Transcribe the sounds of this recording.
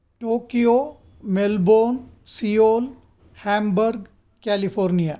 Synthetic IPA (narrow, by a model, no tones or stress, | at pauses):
ʈoːkijoː | melboːn | siːoːl | hɛ̃ːmbəɾɡ | kɛːlipʰoːɾnijaː